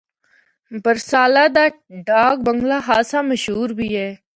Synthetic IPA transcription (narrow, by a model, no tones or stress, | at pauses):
bəɾsaːlaːd̪aː | ɖaːɡ̚bəŋɡlaːɦaːsãːməʃɦuːɾbʱiːɦɛː